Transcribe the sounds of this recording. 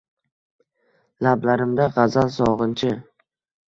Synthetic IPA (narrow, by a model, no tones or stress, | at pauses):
lablaɾɪmd̪aʁɑzalsɒʁɨnt͡ʃʰɪ